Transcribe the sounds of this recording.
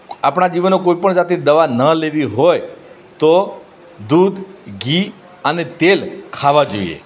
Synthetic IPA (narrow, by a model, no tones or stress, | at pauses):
apɳad͡ʒiʋənokoipəɳd͡ʒat̪ed̪əʋanəleʋiɦoj | t̪o | d̪ud̪ʱɡi | ənet̪elkʰaʋad͡ʒo̰ḭḛ